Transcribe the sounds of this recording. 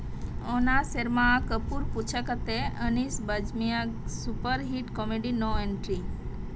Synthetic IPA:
onaseɾmakəpuɾput͡ʃʰəkət̪eənisbəd͡ʒmijasupəɾɦiʈkɔmeɖinɔeɳʈɾi

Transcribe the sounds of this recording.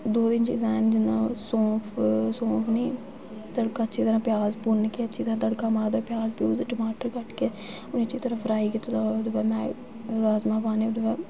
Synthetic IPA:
d̪oːd̪ɪnt͡ʃḭːzaːnd͡ʒɪnãːsõːpʰsõːpʰniː | t̪əɽkãːtːt͡ʃʰiːt̪əɾãːpjaːzbʊnkeətːʃʰiːt̪əɾãːt̪əɽkãːmaːd̪aːpjaːzbjuːzʈəmaːʈəɾkəʈkeː | ʊnit͡ʃʰiːt̪əɾãːfɾaːiːkɪt̪ːt̪aːd̪obɛːmɛ̃ː | ɾaːzmaːpaːneːʊd̪obɛː

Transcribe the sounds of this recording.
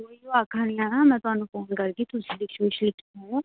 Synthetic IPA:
oijoaːkʰaːnijãːnamɛ̃ːt̪ʊɦaːnũːfoːnkɐɾɡit̪ʰʊsilɪkʃoʃlɪkʰː

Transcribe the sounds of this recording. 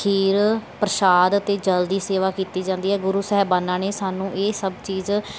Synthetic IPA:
iːɾpɾəʃaːd̪ət̪eːd͡ʒəld̪iːseːʋaːkiːt̪iːd͡ʒãːnd̪iːɦɛːɡʊɾuːsɛːbaːnːaːneːsaːnũːʔeːsəbt͡ʃiːz

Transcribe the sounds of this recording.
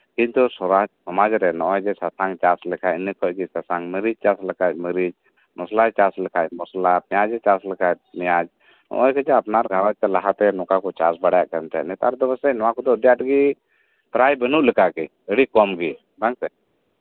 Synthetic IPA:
kint̪usɔad͡ʒsɔmad͡ʒɾɛnɔʔɔjd͡ʒɛsasʰaŋt͡ʃaslɛkʰaʔnikʰɔc̚ɡisasaŋməɾid͡ʒ̚t͡ʃasləkat̚ˀməɾid͡ʒ | mɔslajt͡ʃasləkʰac̚mɔslapijad͡ʒɛt͡ʃasləkat̚mɛjad͡ʒ | nɔ̰ʔɔjkɛd͡ʒɛapnaɾɡʱawat̪ɛlaɦat̪ɛnɔkakɔt͡ʃasbəɽaja̰ʔkənt̪ɛʔnɛt̪a̰ɾd̪ɔbəsɛcnɔwãkɔd̪ɔdijaʈɡi | t̪ɾajbənuʔləkaki | əɽikɔmɡi | baŋsɛ

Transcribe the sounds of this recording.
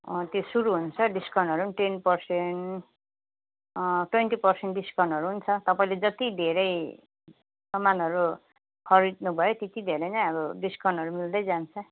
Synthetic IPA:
t̪josuɾuɦunt͡sʰʌɖiskʰʌwnʌɾunʈenpʌrsen | ʈwenʈipʌrseɳʈɖiskʌwnʌɾuɦunt͡sʰʌt̪ʌpaĩled͡zʌt̪id̪ʱeɾʌj | sʌmːanʌɾu | kʰʌɾid̪nubʱʌjot̪et̪id̪ʱeɾʌjnʌjʌbʌɖiskʰʌwnʌɾumild̪ʌjd͡zant͡sʰʌ

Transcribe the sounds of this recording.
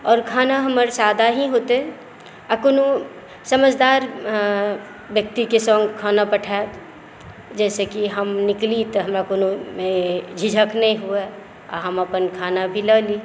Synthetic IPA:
ɔːɾkʰaːnaɦɐməɾsaːd̪ʱaɦiɦoːt̪e | ɐkonu | səməd͡ʒʱd̪aːɾ | ʋjək̚t̪ikesɔ̃ːŋɡkʰaːnapəʈʰa | d͡ʒɛːsekiɦəmnɪklit̪ɔɦɐmɾakoːnomẽd͡ʒʱid͡ʒʱəknɐɦĩɦue | a̰ɦəməpənkʰaːnabʱiləːli

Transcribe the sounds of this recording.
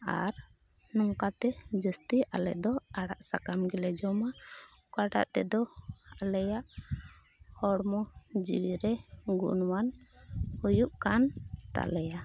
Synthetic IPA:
a̰ɾ | nɔŋkat̪ɛd͡ʒəst̪iʔalɛ̰ʔd̪ɔaɽa̰ʔsakamɡɛlɛd͡ʒɔmaukaʈa̰ʔt̪ɛd̪ɔalɛjaʔ | hɔɽmɔd͡ʒḭwiɾɛɡṵʔnwanhujuʔkant̪a̰lɛja

